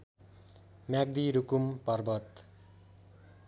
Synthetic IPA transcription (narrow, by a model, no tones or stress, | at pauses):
mjaɡ̚d̪iɾukumpʌrbʌt̪